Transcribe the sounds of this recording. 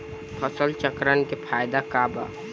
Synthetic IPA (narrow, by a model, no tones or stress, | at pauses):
pʰəsəlt͡ʃəkɾankepʰaːjd̪akaːba̰